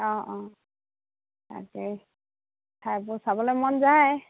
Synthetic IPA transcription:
ɔ̃ʔɔ̃ | ta̰kɛ | tʰajbʊsabɔlɔjmɔnzaj

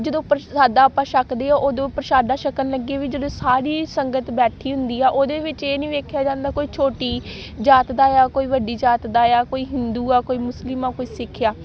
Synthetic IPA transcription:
d͡ʒəd̪õːpəɾsaːd̪aːpãːʃəkd̪eːaːʔoːd̪õːpəɾəʃaːd̪aːʃəkənləɡeaːʋiːd͡ʒəd̪õːsaːɽiːsəŋɡət̪bɛːʈʰiːɦʊ̃nd̪iːaːʔoːd̪eːʋɪt͡ʃeːnĩːʋeːkʰjaːd͡ʒãːnd̪aːkoːiːt͡ʃʰoːʈiː | d͡ʒaːt̪d̪aːjaːkoːiːʋəɖiːd͡ʒaːt̪d̪aːjaːkoːiːɦɪnd̪uːaːkoːiːmʊslɪmaːkoːiːsɪkʰːjaː

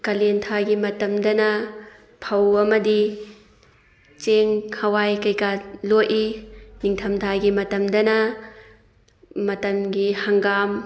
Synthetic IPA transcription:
kɐlentʰaɡimɐtɐmdɐnɐ | pʰɐwɐmɐdi | t͡ʃeŋhɐwajkɐjkaloʔiniŋtʰɐmtʰaɡimɐtɐmdɐnɐ | mɐtɐmɡihaŋɡam

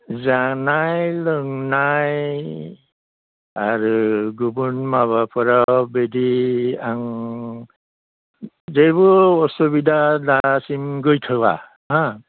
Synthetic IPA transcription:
zanajlɯŋnaj | aɾuɡubunmaβapʰɔɾabediaŋ | zejbɔɔsubidʱadasimɡojtʰaba̰ | ɦã

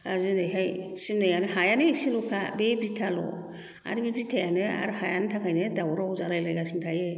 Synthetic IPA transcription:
azinɯjɦajsimnɯjanɯhajanɯisilupʰabebitʰalɔ̰ | a̰ɾbebitʰajanɯa̰ɾhajanɯtʰakʰajnɯdawɾawzaɾajlajɡasintʰaje

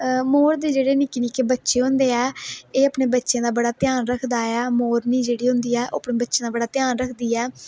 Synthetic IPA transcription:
moːɾd̪eːd͡ʒeːɽeːniːkɪniːkeːbətːʃeːɦʊ̃nd̪eːɛːeːəpɳeːbətːʃãːd̪aːbəɽaːt̪ɪjaːnɾəkʰd̪aːɛːmoːɾnĩːd͡ʒeːɽiːɦʊ̃nd̪iːɛːʔo̰ːəpɳẽːbətːʃãːd̪aːbəɽaːt̪ɪjaːnɾəkʰd̪iːɛː

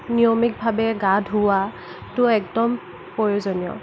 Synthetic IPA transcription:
nijomik̚bʱabɛɡadʱɦuwa | tʊɛk̚dɔm | pɔɹozɔnijɔ̰

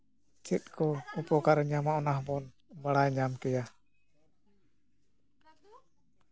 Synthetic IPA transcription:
t͡ʃɛt̪̚kɔupɔkaɾɛɲamaɔnaɦbɔn | baɽajɲamkɛja

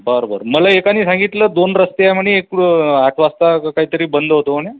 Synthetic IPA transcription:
bəɾobəɾməlaekaniːsãŋɡit̪ləːd̪onɾəst̪eaməɳeekaʈʰʋast̪akaɦiːt̪əɾiːbənd̪ʱɦot̪oəɳ̃e

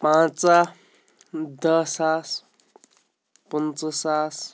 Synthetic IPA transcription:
pãt͡sa | d̪ʌsas | pənt͡səsas

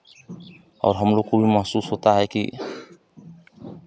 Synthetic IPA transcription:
ɔ̰wɾɦɔmlokubimaɦsushɔt̪aɦajkḭ

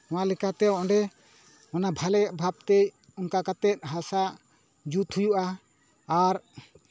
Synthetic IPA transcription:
ɔ̃walɛkat̪ɛɔʔɔ̃ɳɖɛ | ɔnabʱalɛʔbʱab̚t̪ec | ɔnkakat̪ɛt̪̚ɦasa | d͡ʒut̪hujuʔaː | ɾ

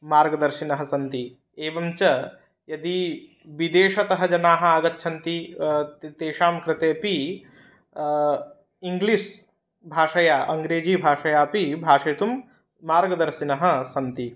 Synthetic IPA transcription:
maːɾɡɐd̪ɐɾʃinɐɦɐ̆sɐnt̪i | eːbɐmt͡ʃɐ | jɐd̪i | bid̪eːʃɐt̪ɐɦɐ̆d͡ʒɐnaːɦɐ̆aːɡɐt̪̚t͡ʃʰɐnt̪i | t̪eːʃaːmkɾɪt̪eːpi | iŋɡlis | bʱaːʃɐjaːʔɐŋɡɾeːd͡ʒiːbʱaːʃɐjaːpibʱaːʃɐjt̪umː | aːɾɡɐd̪ɐɾʃinɐɦɐ̆sɐnt̪i

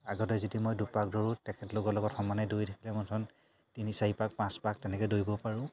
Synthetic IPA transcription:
aɡɔtɛzitimojdupak̚doɹũtɛkʰɛtloɡɔlɔɡɔtxɔmanɛdojtʰakʰilɛmɔntʰɔn | tinisaipak̚pãspak̚tɛnɛkɛdojbɔpaɹʊ̃

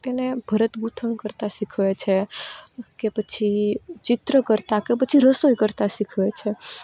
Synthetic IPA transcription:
t̪enebʱəɾət̪ɡut̪ʰəɳkəɾt̪aʃikʰʋet͡ʃʰe | kepət͡ʃʰit͡ʃɪt̪ɾəkəɾt̪akepət͡ʃʰiɾəsojkəɾt̪aʃikʰʋet͡ʃʰe

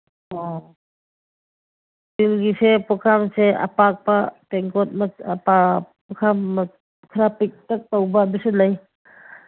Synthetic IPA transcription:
ɔ | tilɡisepɔkʰamsea̰pak̚patɛŋkɔt̚mapa | pɔkʰamː | kʰɾapik̚tak̚tawbabisɯnaj

